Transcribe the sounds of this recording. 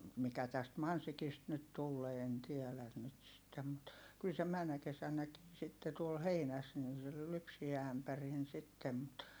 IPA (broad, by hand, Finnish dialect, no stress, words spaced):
mikæ tæst mɑnsikist nyt tulːeː en tiɛlæn nyt sitːem mut kyl se mænːæ kesænˑækiː sitːe tuol heinæs nin̞ se ly lypsiæ æmpærin sitːem mut